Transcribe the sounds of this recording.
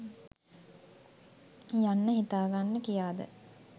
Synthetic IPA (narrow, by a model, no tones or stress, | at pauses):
janːəɦit̪aːɡanːəkijaːd̪ə̰